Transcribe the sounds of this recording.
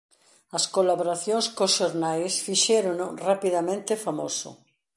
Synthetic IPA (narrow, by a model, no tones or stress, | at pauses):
ɐskolaβoɾaθjoŋskosʃoɾnajsfiʃɛɾonʊrapiðamẽnt̪ɪfamo̰sʊ̰